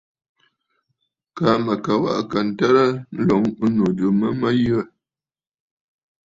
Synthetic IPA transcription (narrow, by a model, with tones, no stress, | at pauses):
ka˨˦mə˨kə˨wa̰˦ʔkə˨n̩˨tə˦ɾə˦n̩˦lɔ˨˦ŋ˦nu˨də˨˦mə˦mə˦jə˦˨